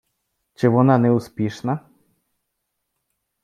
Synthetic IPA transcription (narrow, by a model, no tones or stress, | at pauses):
t͡ɕɛvɔnanɛuspʲjɛʂna